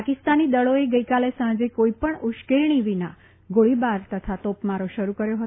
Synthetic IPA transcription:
pakist̪anid̪əɭoeɡəikalesãd͡ʒekoipəɳuʃkeɾɳ̃iʋina | ɡoɭibaɾt̪ət̪ʰat̪opmaɾoʃəɾukəɾjoɦət̪o

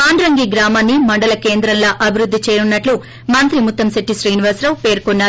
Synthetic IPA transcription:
aːɳɖɾɐŋɡiɡɾaːmaːnːimɐɳɖɐlɐkeːnd̪ɾɐnlɐːʔɐbʱiɾud̪ːit͡ʃeːɾunːɐʈlu | mɐnt̪ɾimut̪ːɐmsiʈːisɾiːniʋɐɾsɾɐwpeːɾkonːaː

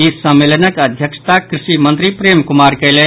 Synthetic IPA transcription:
isəmːelənəkəd̪ʱjəkʃt̪akɾɪʃimənt̪ɾipɾemkumaɾkəjle

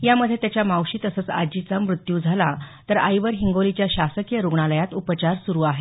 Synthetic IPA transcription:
jaməd̪ʱjet̪jat͡ɕjamawɕiːt̪əsəːt͡sa̰d͡ʑit͡samɾut̪juːd͡zʱalat̪əɾa̰jʋəɾɦiŋɡolit͡ɕjaɕasəkijəɾuɡɳaləjat̪upət͡ɕaɾsuɾuːaɦe

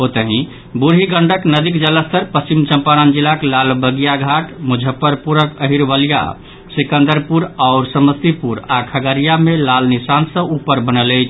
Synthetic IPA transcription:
ɦot̪əɦĩ | buɾɦiɡəɳɖəknəd̪ikd͡ʒələst̪əɾpəst͡ʃimt͡ʃəmpaɾand͡ʒilaklalbəɡijaɡʱaʈmud͡ʒʱəpəɾpuɾəkəɦiɾbəlija̰ | sikə̃nd̪əɾpuɾaʊɾsəməst̪ipuɾakʰəɡəɾijamelalnisansə̃upəɾbənələjt͡ʃʰ

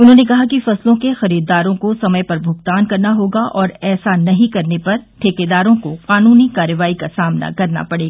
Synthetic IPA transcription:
ʊnɦõːnekɐɦakifɐslõkexɐɾiːɾd̪aːɾõkosɐməjpɐɾbʱʊɡt̪aːnkɐɾnaɦoːɡaʔɔːɾɛːsanɐɦĩkɐɾnepɐɾʈʰeːked̪aːɾõkoqaːnuːnikaːɾəʋaːikasaːmna̰kɐɾna̰pɐɽeːɡaː

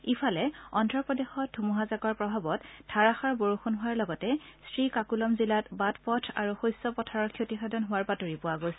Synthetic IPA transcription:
ipʰalɛɔntɹɔpɔdexɔdʰʱumuɦazakɔɹpɹɔbʱabɔttʰːaɹaxaɹboɹuxunɦʊaɹlɔɡɔtɛstɹikakulɔmzilatbatpɔtʰa̰ɹuxojsɔpɔtʰaɹɔɹkʰjotixadɔnɦʊwaɹpatoɹipʊwaɡojs

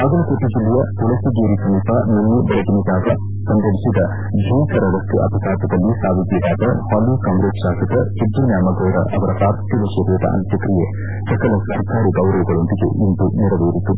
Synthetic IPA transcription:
ɐɡɐlukoʈ̪ːiɡiluʋɐt̪uɭɐsiɡeːɾikɐmipanɐnːibɐɭɐɡiniɡaːɦɐ | sɐnd̪ɐbisid̪ɐ | bʱiːkɐɾɐɾɐst̪uʔɐ̰pɐkaːt̪ɐd̪ɐlːisaːʋid̪jed̪aːt̪ɐhaːlːikɐmɾet͡ʃʃaːsɐt̪ɐsid̪ːunjaːmɐɡɐjɾɐ̰ʔɐʋɐɾɐpɾaːɾt̪iʋɐʃɐɾʋɐt̪ɐ̰ʔɐ̰nt̪jɐkɾije | sɐkɐlɐsɐɾkʰaːɾiɡɐwɾɐʋiɡɐɭond̪iɡḛʔint̪uniɾɐʋeːɾit̪ːu

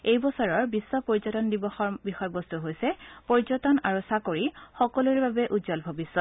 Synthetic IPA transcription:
ejbɔsɔɹɔɹbisːɔpoɹizɔtɔndibɔxɔɹbixɔjɔbɔst̪uɦojsɛpoɹizɔtɔnaɹusakoɹixɔkɔluɹbabɛʔuzɔlbʱɔbisːɔt̚

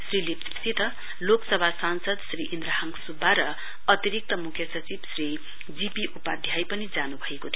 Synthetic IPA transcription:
srilipssit̪ʌ | loksʌbʱasansʌd̪sriʔind̪ɾaɦaŋsubːaɾʌ | ʌt̪iɾik̚t̪ʌmukʰjʌsʌt͡sibsri | d͡zipiʔupad̪ʱjajpʌnid͡zanubʱʌekot̪ʰi

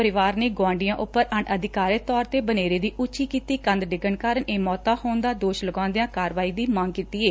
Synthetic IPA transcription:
əɾɪʋaːɾneːɡwãːɳɖɪjãːʔʊpːəɾəɳəd̪ɪkaːɾət̪ɔːɾt̪eːbəneːɾeːd̪iːʔʊt͡ʃiːkiːt̪iːkə̃nd̪ɖɪɡəɳkaːɾəɳeːmɔːt̪ãːhoːnd̪aːd̪oːʃləɡãːnd̪ejãːkaːɾʋaːiːd̪iːmãːŋɡkiːt̪iːeː

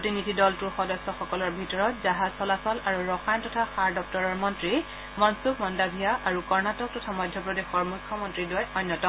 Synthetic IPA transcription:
pɹotinidʱidɔltuɹxɔdɔsɔxɔkɔlɔɹbʱitɔɹɔtzaɦazsɔlasɔlaɹuɹɔxajntɔtʰaxaɹdɔk̚tɔɹɔɹmɔntɹi | mɔnsukmɔndabʱijaʔaɹukɔɹnatɔk̚tɔtʰamɔjdʱjɔpɹɔdixɔɹmujkʰːɔmɔntɹidjɔjnːɔtɔ

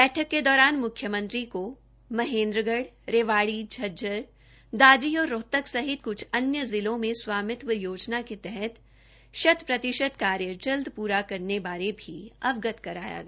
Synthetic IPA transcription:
bɛːʈʰəkːed̪ɔːɾaːnmʊkʰːjəmə̃nt̪ɾiko | mɐɦẽːnd̪ɾəɡəɽ | ɾeːʋaːɽid͡ʒʱɐd͡ʒəɾ | d̪aːd͡ʒiɔːɾːoːt̪əksɐɦɪt̪̚kʊt͡ʃʰɐnjəzɪlõmẽswaːmɪt̪ʋəjoːd͡ʒnaket̪ɛɦɛt̪ | ʃɐt̪pɾɐt̪ɪʃəd̪kaːɾjəd͡ʒɐld̪puːɾakɐɾnebaːɾebʱiɐʋɡət̪kɐɾa̰ːja̰ɡaː

